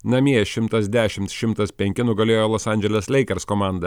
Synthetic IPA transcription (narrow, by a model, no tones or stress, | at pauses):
nɐmʲiɛʃʲɪmt̪ɐsd̪ʲæːʃʲɪmt̪ʃʲɪmt̪ɐspʲɛŋʲkʲɪnʊɡɐlʲeːjoːlˠoːsɐˑnʲd͡ʒʲɛlʲɛslʲɛɪkʲɛɾskomɑˑnd̪ɐ